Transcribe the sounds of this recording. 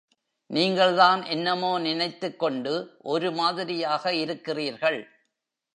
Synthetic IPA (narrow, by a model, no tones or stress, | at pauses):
niːŋɡɐɭðaːnʔɛnːɐmoːnɪnɐɪt̪ːɯkːɔɳɖɯʔɔɾɯmaːðɪɾɪjaːɣɐɪɾɯkːɪriːɾɣɐɭ